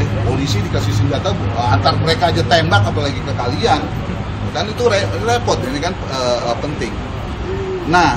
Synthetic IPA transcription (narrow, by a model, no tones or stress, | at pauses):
polisidikasihsəɲd͡ʒat̪aəant̪arməɾekaːd͡ʒat̪embakapalaɡikəkalian | akanit̪uɾerepɔt̪̚anikan | əpənt̪ɪŋ | nah